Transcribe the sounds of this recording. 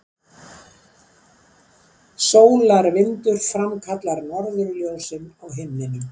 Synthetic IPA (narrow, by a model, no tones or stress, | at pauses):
soːwlaɾvɪnt̪ʏɾ̥fɾamkʰat̪laɾnɔɾðʏɾljoːwsɪnawɦɪmːɪnʏm